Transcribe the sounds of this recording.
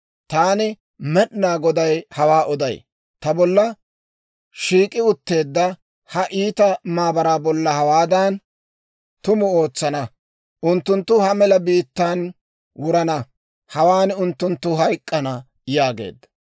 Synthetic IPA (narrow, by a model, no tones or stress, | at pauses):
t̪aːnɪ | mɛɗnaːɡɔd̪ɐjhɐwaːʔɔd̪ɐj | t̪ɐbɔlːɐ | ʃiːkʼːɪʊt̪ːe̞ːd̪ːɐ | hɐʔiːt̪ɐmaːbɐɾaːbɔlːɐhɐwaːd̪ɐn | t̪ʊmʊo̞ːt͡sːɐnɐ | ʔʊnt̪ːʊnt̪ːʊhɐmɛlɐbiːt̪ːan | wʊɾɐnɐ | hɐwaːnʊnt̪ːʊnt̪ːʊɦɐjkʼːɐnɐ | jaːɡḛːd̪ː